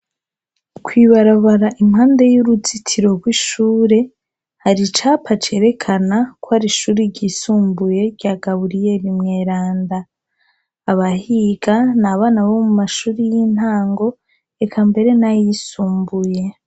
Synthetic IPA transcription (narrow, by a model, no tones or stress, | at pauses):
kwiːβaɾaβaɾaʔimhaːnde̞juɾut͡sitʰiɾo̞ɡwiʃuːɾe̞ | haɾit͡ʃaːpʰat͡ʃe̞ːɾe̞kʰanakwohaɾiʃuːɾiɾɟisuːmbuje̞ɾɟ̥aːɡaβuɾije̞βimŋe̞ːɾaːndaː | βahiɡanaβaːnaβo̞mumaʃuːɾijin̥haːŋɡo̞ | ekʰambe̞ɾe̞najisuːmbuje̞